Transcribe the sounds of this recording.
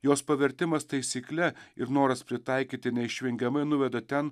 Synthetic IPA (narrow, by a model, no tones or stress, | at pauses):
joːspɐʋʲɛɾʲt̪ʲɪmɐst̪ɐɪsʲiːklʲɛɪɾnoːɾɐspʲɾʲɪt̪ɑɪkʲiːt̪ʲɪnʲɛɪʃʲʋʲɪŋʲɡʲɛmɐɪnʊʋʲɛd̪oːt̪ʲɛn